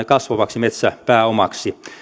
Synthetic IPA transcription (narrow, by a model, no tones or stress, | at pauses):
ekɑsʋɑʋɑksimet̪sæpæːomɑksi